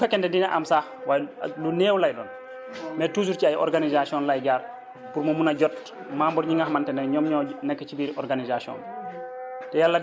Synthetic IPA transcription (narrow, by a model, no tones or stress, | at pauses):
ufɛkːɛndɛndinaʔamsaːhwaːjluneːwlajdɔːn | mɛtuːs̬uɾciajɔ̰ɾɡanizasiɔːnlajɟaːɾ | puɾmɐmunaɟɔt | maːmbɔɾɲiŋɡahmantɛnɛɲɔmɲɔːnɛkːecibiːɾiʔɔɾɡanizasiɔ̰ːn | tɛjalːa